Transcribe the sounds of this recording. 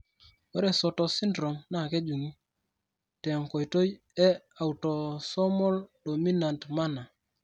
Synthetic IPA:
o˦ɾɛ˨sɔ˨tɔ˨si˦ndɾɔ˨mna˦˨kɛ˦d͡ʒu˨ŋi˦ | tɛ˨ŋko˨jto˦j | ɛ˦ | a˨u˨tɔ˨sɔ˦mɔ˦ldo˨mi˦na˨ntma˦na˨

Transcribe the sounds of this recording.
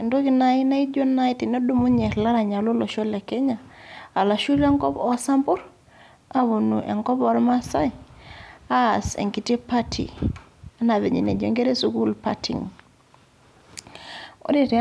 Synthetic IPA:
e˨ndo˦ki˨na˨i˦na˦i˦d͡ʒo˦na˦i˦ti˨nɔ˦du˦mu˦ɲɛ˨ɾla˦ɾa˨ɲa˨lo˦lɔ˨ʃɔ˦lɛ˨ke˦ɲa˨a˨la˨ʃu˦ɾɛ˦ŋkɔ˦pɔ˦sa˦mbʊ˦ɾ | a˦βu˨nu˨ʔɛ̰˨ŋkɔ˦pɔ˦ɾma˦sa˦i˨ | a˦˨sḛ˨ŋki˨te˦pa˦tʰḭ˨a˦na˨βe˨ɲḭ˨nḛ˨d͡ʒo̰˨ŋɡe˦ɾe˦su˦ku˦lpa̰˦tʰḭ˨ŋ | o̰˦de˨t

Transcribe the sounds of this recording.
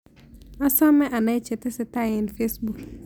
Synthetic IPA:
ɔ˦sɔ˦mɛ˦ʔa˨na˦ɪ˦t͡ʃɛ˨tɪ˦sɪ˨ta˦ɪ˨n˨fe˦sbu˨k

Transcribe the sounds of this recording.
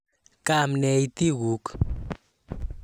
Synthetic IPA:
kamnɛ˧jt̪i˦wuk

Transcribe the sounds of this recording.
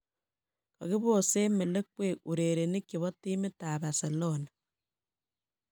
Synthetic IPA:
ka˨ɣɪ˦βo˦˨se˦mɪ˨le˦k̚we˦˨ʔu˨ɾe˨ɾe˨ni˦kɪ˨βɔ˦ti˦mɪ˦taː˨βa˨se˨lo˦na˨

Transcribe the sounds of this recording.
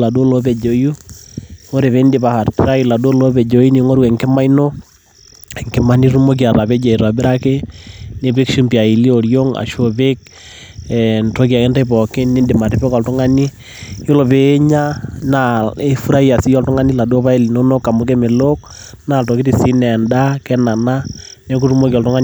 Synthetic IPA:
la˨du˦o˦lo˦bɛ˨d͡ʒo˨ju˦ | o˦ɾe˨βe˨˦nde˨ba˦ha˨ɾtɾa˦i˨la˨du˦o˦lo˦bɛ˨d͡ʒo˨˦ji˦ni˨˦ŋo˦ɾwɛ˨ŋke˦ma˦i˦no˦ | ɛ˨ŋke˨ma˦ni˦ɾu˦mo˦k̬i˨a˨ɾa˨βɛ˦d͡ʒe˨i˨ɾa˨bɪ˦ɾa˦ke˦ne˨be˦kʃu˦mpia˨i˨li˦o˨ɾjo˦ŋa̰˨ʃo˦be˦k̚ | ɛnto˦ka˨ke˦nta˦i˦pɔ˨ke˦ni˦nde˨ma˨te˦pɛ˦kɔ˨ltʊ˦ŋa˦ni˦ | jo˦lo˨peː˨˦ɲa˦na˨e˦fu˦ɾa˦i˦a˨si˦jɔ˦ltʊ˦ŋa˦ni˦la˨do˦pa˦e˦li˨no˦no˦kːa˨mo˨k̬e˦me˨lo˦k̚ | na˨to˨ki˦ti˨si˦nɛ˨nda˦kɛ˦na˨na˦ | ne˦ku˦ru˦mo˦ki˨ɔ˨ltʊ˦ŋa˦n

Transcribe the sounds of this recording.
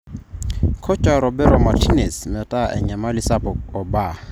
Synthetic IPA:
kʰɔ˦t͡ʃʼa˨ɾɔ˨bɛ˦ɾɔ˨ma˨tʰi˦ne˨smɛ˨tʼa˦ʔɛ̰˨ɲa˨ma˦lisa˦pʼɔ˨kɔ˨ba˨

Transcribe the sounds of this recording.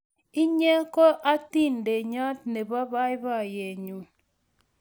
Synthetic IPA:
i˦ɲɛ˦ko˦ʔa˦ti˦˨nde˨ɲɔ˦t̚ne˨βa˦βa˦i˦βa˦˨je˨ɲu˨

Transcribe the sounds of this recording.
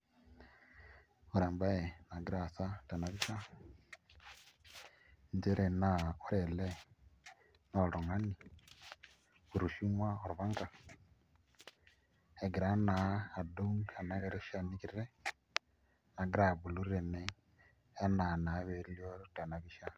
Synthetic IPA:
u˨ɾaː˨mba˦ɛ˨na˨ɡi˦ɾa˨sa˦ta˨na˨βi˦ʃa˦ | nd͡ʒɛ˦ɾɛ˨na˨ko˦ɾɛ˨lɛ˦ | no˨lo˨ŋa˦ni˨ | u˨ɾu˨ʃi˦mwa˦o˨ɾu˨βa˦ŋɡa˨ | e˨ɡi˨ɾa˦naː˨do˦ŋa˨na˦ɣe˦ɾe˦ʃa˦ni˦ki˨ɾɾɛ˦ | na˨ɡi˦ɾa˨βu˨lu˦ɾɾe˨nɛː˦ | na˨na˨˦βe˨ɾi˦ljo˦ɾta˨na˨βi˦ʃa˦

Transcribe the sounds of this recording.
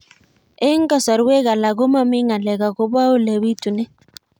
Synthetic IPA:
e˦ŋ˦ɡa˨sɔ˨ɾwe˦ɣa˨la˨ɡo˦ma˦mɪ˦ŋa˨lɛ˨ɡa˨ɡo˦ba˦o˦le˨wi˦tu˨nɛ˦

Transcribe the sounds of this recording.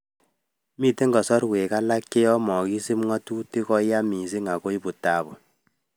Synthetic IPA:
miː˦te˦ŋɡɔ˨sɔ˦ɾwe˨ka˦la˦kːe˦jɔ˦mɔ˨ki˦si˦m˦ŋɔ˦tu˦ti˦kɔ˦ja˦mi˨si˦ŋa˨ko˦i˦bu˨ta˨bɔ˨

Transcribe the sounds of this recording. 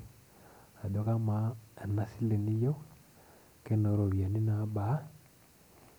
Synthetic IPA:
a˨do˨ka˦ma˨˦ɛ˨na˨si˦le˨ni˦jo˦ | ke˦no˨ɾo˨βja˨ni˦na˨˦ba˨˦

